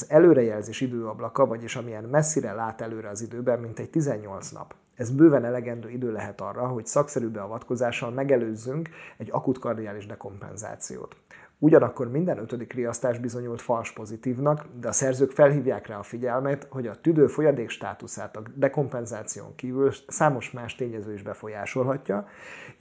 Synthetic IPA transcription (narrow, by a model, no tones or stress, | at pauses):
zɛløːɾɛjɛlzeːʃid̪øːɒblɒkɒvɒɟeːʃɒmijɛnmɛsːiɾɛlaːt̪ɛløːɾɛɒzid̪øːbɛmːint̪ɛɟ̚t̪izɛɲːo̞lt̪snɒ̰p | ɛzbøːvɛnɛlɛɡɛnd̪øːid̪øːlɛɦɛt̪ɒrːɒɦo̞csɒksɛɾybɛɒvɒt̪ko̞zaːʃɒlmɛɡɛløːzːyŋkɛɟːɒkut̪kɒrd̪iaːliʒd̪ɛko̞mpɛ̰nza̰ːt̪sḭjo̰ːt̪ | uɟɒnɒkːo̞rmind̪ɛnøt̪ød̪ikrijɒst̪aːʒbizo̞ɲult̪fɒlʃpo̞zit̪iːvnɒkd̪ɛɒsɛrzøːkfɛlɦiːvjaːkraːɒfiɟɛlmɛt̪ho̞ɟɒt̪yd̪øːfo̞jɒd̪eːkʃt̪a̰ːt̪usa̰ːt̪ɒd̪ɛko̞mpɛnzaːt̪sijo̰ŋkiːvylsaːmo̞ʃmaːʃt̪eːɲɛzøːiʒbɛfo̞jaːʃo̞lɦɒcːɒ